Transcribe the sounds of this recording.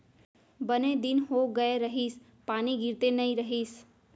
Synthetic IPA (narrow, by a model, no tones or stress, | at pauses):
bəned̪ɪnɦoɡəeɾəɦiːs | paːniɡʱɪɾt̪enəĩɾəɦiːs